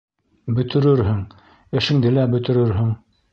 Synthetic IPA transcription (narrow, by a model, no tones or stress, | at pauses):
bɵ̆t̪ʰɘ̆ɾɘɾɦɘŋ | ɘ̆ʃɘ̆ŋd̪ɘlæbɵ̆t̪ɘ̆ɾɘɾɦɘŋ